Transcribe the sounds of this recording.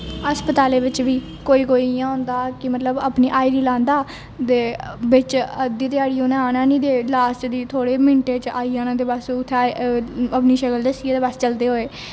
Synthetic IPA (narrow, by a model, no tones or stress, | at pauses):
əspət̪aːleːʋɪt͡ʃʋiː | koːiːkoːiːjãːɦʊ̃nd̪aːkɪmət̪ləbəpniːʔaːiːɾiːlãːnd̪aː | d̪eːbɪt͡ʃəd̪iːt̪ɪjaːɽiːoːnãːaːnãːnĩːd̪eːlaːst͡ʃd̪iːt̪ʰoːɽeːmɪɳʈeːt͡ʃaːiːaːnãːd̪eːbəsʊt̪ʰːeaːəpniːʃəkəld̪əsieːd̪eːbəst͡ʃəld̪eːɦoːeː